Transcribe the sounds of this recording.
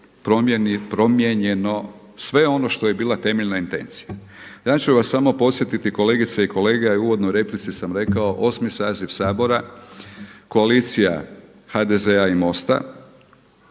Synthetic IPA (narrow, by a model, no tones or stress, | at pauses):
pɾomnpɾo̞mjeɲeno̞ | sʋe̞o̞no̞ʃt̪o̞je̞biːlˠat̪e̞meʎnaint̪e̞̰nt̪sija | jaːt͡ʃuʋasːamo̞po̞t̪sje̞t̪it̪iko̞le̞ːɡit̪seiko̞le̞ːɡeiuːʋo̞d̪nojɾe̞plit̪sisamɾe̞kaoʔo̞smisaːzifsaːbo̞ɾa | ko̞aliːt̪sija | xad̪e̞zeaimo̞st̪a̰